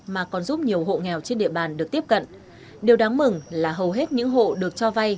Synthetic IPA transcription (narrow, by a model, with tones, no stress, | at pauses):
maː˨˩kɔ˨˩nzu˦˥p̚ɲi˨˩əwɦo̰˧˨ŋɛ˨˩wt͡ɕe˧nɗḭ˧˨əɓaː˨˩nɗɨ˨˩ək̚t̪i˦˥əp̚kə̰˧˨nʔ | ɗe˨˩wɗaː˨˦ŋmɨ˨˩ŋlaː˨˩ɦə˨˩wɦe˦˥t̚ɲɨ̰˧˥ŋɦo̰˧˨ɗɨ˨˩ək̚t͡ɕɔ˧va˧j